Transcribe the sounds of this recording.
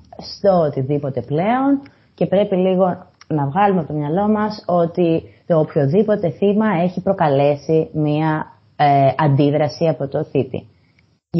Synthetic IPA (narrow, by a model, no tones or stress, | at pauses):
st̪oot̪iðipo̞t̪e̞ple̞o̞n | ce̞pɾe̞piliɣo̞nɐvɣɐlumeɐpot̪omɲɐlo̞mɐso̞t̪it̪o̞ːpço̞ðipo̞t̪e̞θimɐe̞çipɾo̞kɐle̞simiɐ | eɐnd̪iðɾɐsiɐpo̞t̪o̞θit̪ḭ